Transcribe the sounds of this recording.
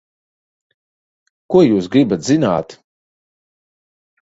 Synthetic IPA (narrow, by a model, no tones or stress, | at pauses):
kuɔjuːsɡɾibat̪zina̰ːt̪